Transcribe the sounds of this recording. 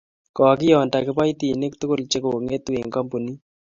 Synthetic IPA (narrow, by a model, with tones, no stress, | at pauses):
kɔ˨k̬ɪ˦jɔ˨nta˨kɪ˦pa˦jt̪i˨nɪ˦kt̪ʊ˦kʊ˦˨lt͡ʃe˦ko˨ŋe˦t̪we˨ŋkɔ˦mpo˨ni˦